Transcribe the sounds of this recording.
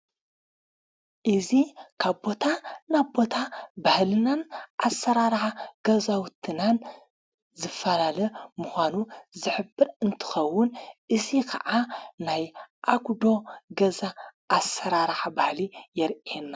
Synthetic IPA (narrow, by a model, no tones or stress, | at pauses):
ʔɨzikʰaβbo̞t̪ʰanabbo̞t̪ʰabahlɨnanʔasːɐɾaɾħaɡ̥ɐzawt̪ʰɨnan | zɨfːɐlalɐmuxʷanuzɨħɨbːɨɾɨnt̪ʰɨ̥xɐwːʊnʔɨzikʰɐ̰ʕanajʔaɡʷd̪o̞ɡɐzaʔːsɐɾaɾħabahlijɛɾena